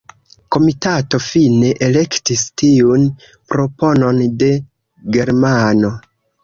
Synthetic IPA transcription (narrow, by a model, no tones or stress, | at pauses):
ko̞mitato̞fine̞ʔele̞ktistiun | pɾo̞po̞no̞nde̞ | ɡe̞ɾmano̞